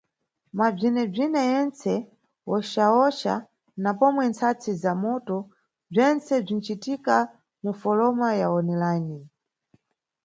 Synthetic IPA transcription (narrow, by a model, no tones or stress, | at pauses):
mab͡ʐinɛb͡ʐinɛjɛnt͡sɛ | wɔʃaɔʃa̰ | napɔmwɛnt͡sʰat͡sʰizamɔtɔ | b͡ʐɛnt͡sɛb͡ʐin̩t͡ʃitika | mufɔlɔmajaɔnɛlaːni